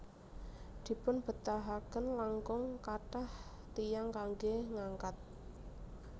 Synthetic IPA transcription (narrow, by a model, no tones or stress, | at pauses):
d̪̥i̤pʊnb̥ə̤t̪aɦakənlaŋkʊŋkaʈah | t̪ijaŋkaŋɡeŋaŋkat̪̚